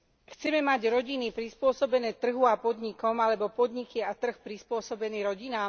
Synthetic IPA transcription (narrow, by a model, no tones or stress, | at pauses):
xt͡sɛmɛmaɟɾɔɟinipɾispʊɔsɔbɛnɛːt̪r̩ɦuapɔd̪ɲikɔmalɛbɔpɔd̪ɲikiat̪r̩xpɾispʊɔsɔbɛniːɾɔɟinaːm